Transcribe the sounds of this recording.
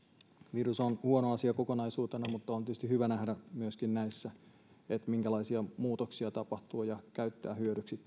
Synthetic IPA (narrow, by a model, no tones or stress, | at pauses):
ʋirusonhuonoɑsiɑkokonɑisuːt̪enɑmut̪ːɑont̪yst̪ihyʋænæhdæmyøskinnæisːæ | et̪miŋkælɑisiɑmuːt̪oksiɑt̪ɑpɑht̪uːjɑkæyt̪ːæ̰ːhyødyksit̪